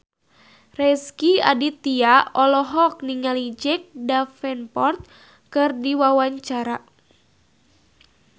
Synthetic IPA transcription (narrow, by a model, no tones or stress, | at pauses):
rɛskia̰dit̪iaɔlɔɦɔk̚niŋalid͡ʒɛk̚dafɛnpɔrt̪̚ | kɨrdiwawaɲt͡ʃaɾa